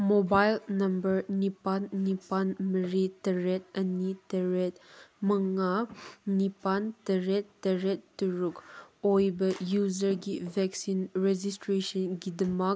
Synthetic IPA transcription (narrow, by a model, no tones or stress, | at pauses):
mobajlnɐmbəɾnipanːipanməɾitɐɾet̚ɐnitɐɾet̚mɐŋanipantɐɾetːɐɾetːuɾukojbɐjuzəɾɡivɛksinɾed͡ʒistɾesənɡidɐmak